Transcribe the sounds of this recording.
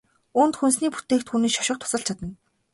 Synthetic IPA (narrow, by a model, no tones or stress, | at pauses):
unt̪xuns̬niːput̪eːkt̪xuneːʃɔ̥ʃɪ̆q̚t̪ʰʊ̥sə̆ɬt͡ɕʰat̪ə̆n